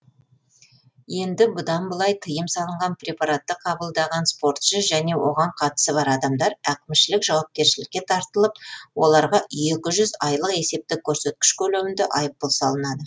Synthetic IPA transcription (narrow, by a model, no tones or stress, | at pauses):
je̞nd̪ɪbʊd̪ɑnbəlˠɑjt̪ʰəjəmsɑlˠəɴʁɑnprʲe̞pɑɾat̪ːəqʰɑbəlˠd̪ɑʁɑnspo̞ɾt̪ʃəʒæne̞wʔo̞ʁɑɴqʰɑt̪ə̥səbɑɾɑd̪ɑmd̪ɑɾækʲɪmʃɪlɪkʒɑwɑp̚kʲe̞ɾʃɪlɪk̚ʲːe̞t̪ʰɑɾt̪əlˠəp̚wo̞lˠɑɾʁɑʔje̞kʲɪʒʏzɑjlˠəqe̞se̞p̚t̪ɪkʲʰɵɾse̞t̪̚kʲɪ̥ʃkʲʰɵlemɪnd̪ɪʔɑjəp̚ːəlˠsɑlˠənɑd̪ə